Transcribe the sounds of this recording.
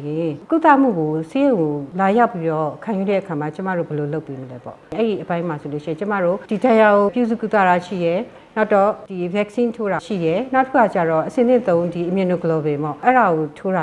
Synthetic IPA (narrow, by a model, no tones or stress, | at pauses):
jɪ̃kut̪a̰m̥ṵɡosejõʊ̃ŋolajaʊpːiɾɔkʰãjuɾɛ̰ʔəkʰamat͡ɕəma̰ɹo̰bɛloloʊpːeməlɛpɔ̰̃ʔɛɹiʔəpãɪ̃masoloʃĩt͡ɕəma̰ɹod̥idãjaɡopjuzṵkut̪a̰aʃḭjɛ | naʊtɔd̥ivɛksĩntʰoɾaʃḭjɛnaʊtəkʰukʰat͡ɕa̰ɹɔʔəsɪ̃nɪ̰̃t̪õʊ̃ndiʔəmjɪ̃no̰ɡəlɔbɪ̃mbɔ̰ʔɛɹaɣotʰoɾa